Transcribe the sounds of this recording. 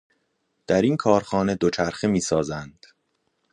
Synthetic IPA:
d̪̥æɾinkʰɒːɾxɒːne̞d̪o̞t͡ʃʰæɾxemiːsɒːzænd̪̥

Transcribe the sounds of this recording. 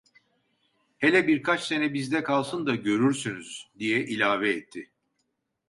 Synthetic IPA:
helʲɛbiɾkʰat͡ʃse̞nɛbizd̪ɛkʰalˠsɯnd̪aɟø̞ɾyɾsynyzd̪ijɛʔilʲaːvɛːt̪ʰːɪ

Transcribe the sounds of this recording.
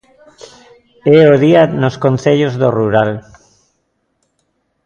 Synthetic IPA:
ɛoðianoskonθeʎozðoruɾal

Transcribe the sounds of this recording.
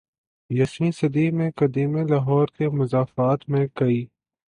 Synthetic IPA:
jɐsmisɐd̪imẽkɐd̪iːmẽlaːɦɔːɾkemʊzaːfaːt̪mẽkɐiː

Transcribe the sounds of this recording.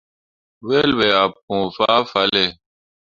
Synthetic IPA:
weːlweːap̚kũːfaːfɐle

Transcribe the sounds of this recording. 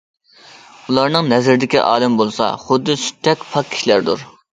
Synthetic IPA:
ulˠɑɾnɨŋnɛzɪɾd̪ɪkʲiʔɑ̰ːlˠɨmbolˠsɑ̰χʊd̪ːɨsy̥t̪ʰːɛkʲpʰɑk̚kʲʰːi̥ʃlæɾd̪uɾ

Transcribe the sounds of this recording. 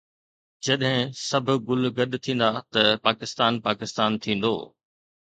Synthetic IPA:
d͡ʑɐɗɦɪ̃sɐbʱʊ̆ɡʊlɡɐɗ̪t̪ʰĩːn̆d̪at̪ɐpaːkɪst̪aːnpaːkɪst̪aːnt̪ʰĩːn̆d̪o̰ː

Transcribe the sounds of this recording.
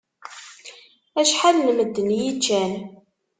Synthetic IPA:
æʃħalnməd̪ːənjit͡ʃːæn

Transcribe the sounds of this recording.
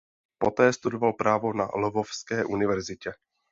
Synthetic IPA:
pot̪ɛːst̪udovalpɾaːvo̞na̰lovofskɛːʔunɪvɛɾzɪcɛ

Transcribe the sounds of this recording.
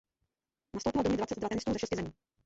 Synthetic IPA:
nast̪owpɪlɔdoɲɛd̪vat͡sɛt̪dvat̪ɛnɪst̪uːzɛʃɛscɪzɛmiː

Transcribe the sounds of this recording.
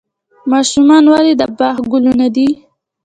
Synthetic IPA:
mɑʃumɑnwalid̪əbɑhɡʊlunad̪i

